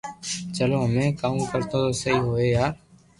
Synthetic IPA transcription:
t͡ʃəloːɦəmẽːkaːũːkəɾt̪õːt̪oːsəɦiːɦoːeːjaːɾ

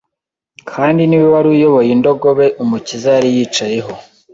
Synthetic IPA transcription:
kʰaːndiniβoβaɾuːjo̞βo̞jindo̞ɡo̞βe̞ʔumucizaɾijiːt͡ʃaje̞ɦo̞

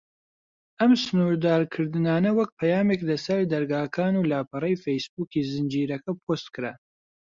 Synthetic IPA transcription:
ʔɐmsɨnuːɾd̪aːɾkʰɨɾd̪ɨnaːnɐwɐk̚pʰɐjaːmeklɐsɐɾd̪ɐɾɡaːkʰaːnuːlaːpɨrejfejsbuːkiːzɨnd͡ʒiːɾɐkɐpʰost̪kɨɾa

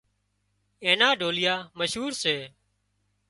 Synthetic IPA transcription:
ẽːnãːɖʱoːlɪjaːməʃɦuːɾseː

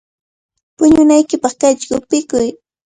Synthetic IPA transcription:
pʊɲʊnajkɪpɑχkat͡ʃkʊpɪkʊj

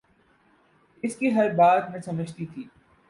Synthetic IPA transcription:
ɪskiɦɐɾbaːd̪mẽsɐməd͡ʒʱt̪it̪ʰiː

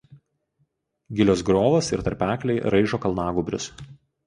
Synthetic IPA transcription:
ɡʲɪlʲoːsɡɾoːʋɐsɪɾt̪ɐɾʲpʲæːklʲɛɪɾɐɪʒoːkɐlˠnɑːɡʊbʲɾʲʊ̰s

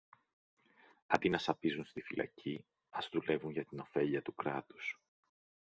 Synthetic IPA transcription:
ɐnd̪inɐsɐpizunst̪ifilʔɐ̰ci | ɐzðule̞vuɲʝɐt̪ino̞fe̞ʎiɐt̪ukɾɐt̪u̥s

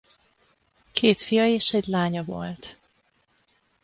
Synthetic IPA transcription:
kʰeːt̪fijɒeːʃɛɟlaːɲɒvo̞̰lt̪

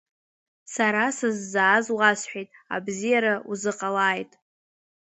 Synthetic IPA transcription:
saɾasɨzːaːzwasħʷᶣejtʼa̰bzijaɾauzɨqʼalaːjtʼ

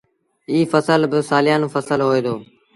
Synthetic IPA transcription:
iːfəsəlbɪsaːlɪjaːnũːfəsəlɦoːeːd̪oː

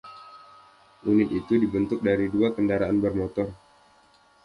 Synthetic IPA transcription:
ʔunɪt̪̚it̪udibənt̪ʊk̚daɾiduakəndaɾaʔanbərmot̪ɔr

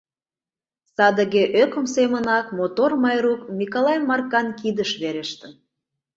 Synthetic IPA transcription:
sɑd̪əɣeʔøkə̆msemənɑkmot̪ormɑjɾukmʲikolɑjmɑrkɑnkid̪əʃβeɾeʃt̪ən

